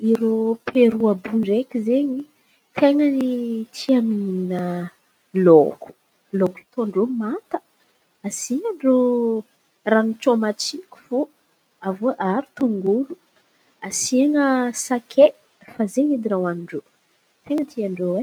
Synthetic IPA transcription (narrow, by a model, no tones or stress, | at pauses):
iɾopʰeɾuabuɳɖ͡ʐekʲizeɲi | t̪ʰeŋənit̪ʰiamininə | loku̥ | loki̥t̪oɳɖ͡ʐomat̪ə̥ | asiɲaɳɖ͡ʐo | ranit͡ʃomat͡sikʲu̥fo | avoʔaɾut̪uŋɡulu | asiŋəsakʰe | fazeɲid̪iɾawaniɳɖ͡ʐo | t̪eŋət̪ʰiaɳɖ͡ʐowe